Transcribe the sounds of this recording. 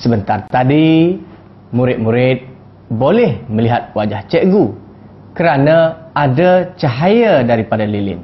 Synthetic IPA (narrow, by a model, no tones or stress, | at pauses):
səbənt̪art̪adi | muɾɪt̪̚muɾɪt̪̚ | bolɛhmə̃liɦat̪̚wad͡ʒaht͡ʃɛʔɡu | kəɾanãadat͡ʃaɦajadaɾipadalilɪ̰n